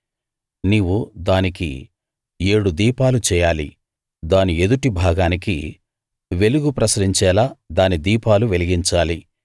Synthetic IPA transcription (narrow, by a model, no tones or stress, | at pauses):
niːwud̪aːnikḭ | e̞ːɽud̪iːpaːlut͡ʃɛːjaːlḭ | d̪aːnie̞d̪uʈibʱaːɡaːnik̬ḭ | ʋe̞luɡupɾɐsɾiɲt͡ʃɛːlaːd̪aːnid̪iːpaːluʋe̞liɡiɲt͡ʃaːli